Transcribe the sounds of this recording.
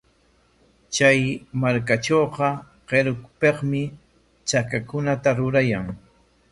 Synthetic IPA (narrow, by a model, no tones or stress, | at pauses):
t͡ʃajmaɾkaʈ͡ʂoːqɑ | qeɾkpeqmɪ | t͡ʃakakʊnat̪aɾʊɾajaŋ